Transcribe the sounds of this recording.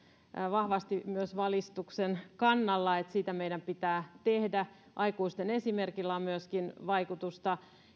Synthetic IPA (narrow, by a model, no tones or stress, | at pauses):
ʋɑhʋɑst̪imyøsʋɑlist̪uksenkɑnːɑlːɑet̪siːt̪æmeidæmpit̪æːt̪ehdæ | ʔɑikuist̪enesimerkilːæːmmyøskinʋɑikut̪ust̪ɑ